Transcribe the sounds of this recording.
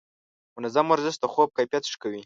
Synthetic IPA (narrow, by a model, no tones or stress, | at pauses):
mʊnazamwaɾzɪst̪əxob̚kajpjat̪ʂkawi